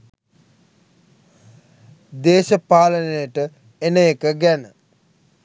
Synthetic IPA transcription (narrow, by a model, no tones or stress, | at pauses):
d̪eːʃəpaːlənəjəʈə | enəekəɡænə